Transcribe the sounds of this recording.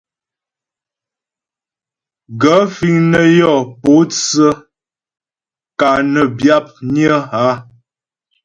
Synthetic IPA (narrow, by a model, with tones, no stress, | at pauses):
ɡə˨˦fi˨ŋnə˦˨jɔ˦˨po˨˦t͡sə˦ | ka˨nə˨bja˦p̚njə˦ɦa˦